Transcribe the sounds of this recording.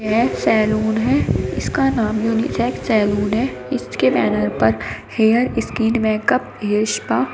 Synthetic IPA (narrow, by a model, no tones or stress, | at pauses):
ɛsɛːluːnɦɛɪskanaːmjuːnḭsɛːksɛːluːnɦɛ | ɪskebɛːnəɾpɐɾheːjəɾɪskiːnʋɛːkəp | ɦeːɾʃpaː